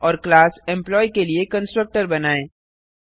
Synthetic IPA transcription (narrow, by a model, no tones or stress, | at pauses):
ɔːɾklaːsɛ̃mplɔːikeliekə̃nsʈɾək̚ʈəɾbɐnaːẽː